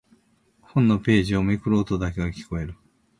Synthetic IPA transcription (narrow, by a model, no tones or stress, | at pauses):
hõ̞nːo̞pe̞ːʑio̞mekɯ̟ɾoːt̪o̞d̪ake̞ɡakʲi̥ko̞e̞ɾɯ̟